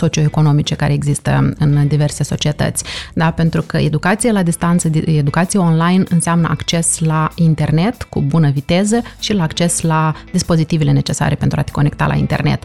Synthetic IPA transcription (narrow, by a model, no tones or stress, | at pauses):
so̞t͡ʃio̞eko̞no̞mit͡ʃe̞kaɾeeɡzist̪ə̰ɨnd̪ive̞rse̞so̞t͡ʃiet̪ə̰t̪sʲd̪ape̞nt̪ɾukəed̪ukat̪sijelad̪ist̪ant̪səd̪ed̪ukat̪sijao̞nlajnɨ̰nseamnə̰ʔakt͡ʃe̞slaint̪e̞rne̞t̪kṵbunəvit̪e̞zəʃilaːkt͡ʃe̞slad̪ispo̞zit̪ive̞le̞ne̞t͡ʃe̞sa̰ɾe̞pe̞nt̪ɾuat̪e̥ko̞ne̞k̚t̪a̰lʔa̰ḭnt̪e̞̰rne̞̰t̪